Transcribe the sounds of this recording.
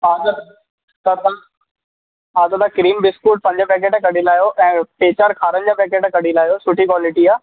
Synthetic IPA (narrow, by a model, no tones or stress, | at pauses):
aːt̪ | t̪at̪a | ɦaːt̪ɐt̪akɾiːmbɪskuːʈ̚pɐ̃ɲd͡ʑəpɛːk̬eːʈkɐɽilaːjoʔɛ̃ːpeːt͡ɕaːɾkʰaːɾən̆d͡ʑaːpɛːkeːʈkɐɽilaːjosʊʈʰikwaːlɪʈiaː